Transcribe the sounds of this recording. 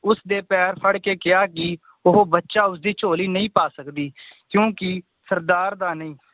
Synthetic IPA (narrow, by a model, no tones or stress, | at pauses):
ʊsd̪eːpɛːɾpʰəɽkeːkɪaːkɪ | ʊɦobətːʃaːʊsd̪iːt͡ʃʰoːliːnəĩːpaːsəkd̪iːkjõːkɪ | səɾd̪aːɾd̪aːnəĩː